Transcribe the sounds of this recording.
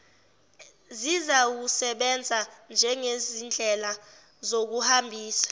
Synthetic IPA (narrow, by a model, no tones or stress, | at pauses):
zizawusɛɓɛnd͡zʱand͡ʒʱɛŋezind͡ɮʱɛla | zok̬uhambʱiːsḁ